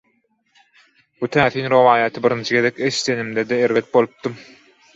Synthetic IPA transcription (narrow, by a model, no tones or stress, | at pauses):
but̪ʰæːθiːnɾo̞vɑːjɑt̪ʰɯbiɾind͡ʒʰiɡe̞ðekʲeʃi̥t̪ʰe̞nimd̪ed̪eeɾvet̪̚bo̞lˠup̚d̪ɯm